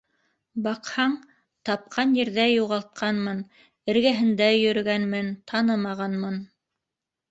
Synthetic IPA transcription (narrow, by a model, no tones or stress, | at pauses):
bɑqhɑɴ | t̪ɑp̚qʰɑnjɘ̆ɾðæjuʁɑlˠt̪̚qʰɑnmɤn | ɘ̆ɾɡæɦɘ̆nd̪æjɵ̆ɾɵ̆ɡænmɘnt̪ʰɑnɤmɑʁɑnmɤn